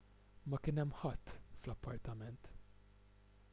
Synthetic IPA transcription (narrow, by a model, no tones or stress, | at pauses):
mɐkɪnɛmːħɐt̪ːflɐpʰːɐɾt̪ɐmɛnt̪